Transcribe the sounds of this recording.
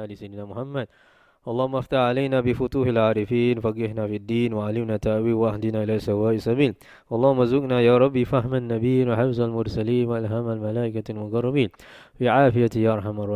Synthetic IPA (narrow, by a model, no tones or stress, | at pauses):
aːlisajd̪naːmʊħamːad̪̚ | ʔɑlˤːɑːhʊmːʔaft̪aħʕalajnaːbɪfʊt̪uːħalʕaːɾˤɪfiːnfaɡːɪhnaːfiad̪ːiːnwaʕalɪmnaːt̪ːaʔwiːwaʔahd̪ɪnaːʔɪlaːsawaːʔɪsabiːl | ʔɑlˤːɑːhʊmːazʊɡnajaːɾˤɑbːifaɦmanːabiːnwaħafzalmʊɾˤsaliːnwaʔalɦaːmalmalaːʔɪkalmʊɡɑrˤːɑbiːnfiːʕaːfɪjat̪jaːʔɑɾˤħamɑrˤɑ